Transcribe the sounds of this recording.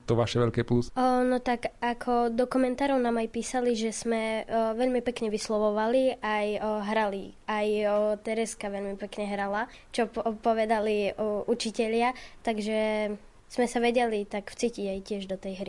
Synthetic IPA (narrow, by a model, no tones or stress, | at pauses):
t̪ɔʋaʃɛʋɛʎkɛːplusnɔt̪aɡakʰɔd̪ɔkumɛnt̪aːɾɔʊnaːmajpiːsaliʒɛsmɛʋɛʎmipɛkɲɛʋislɔʋɔʋaliajɦɾaliajt̪ɛɾɛskaʋɛʎmipɛkɲɛɦɾala | t͡ʃɔpɔʋɛd̪aliʔut͡ʃicɛʎɪat̪aɡʒɛ | smɛsaʋɛɟɛlit̪aɡft͡siːciɟajcɪɛʒd̪ɔt̪ɛjɦɾi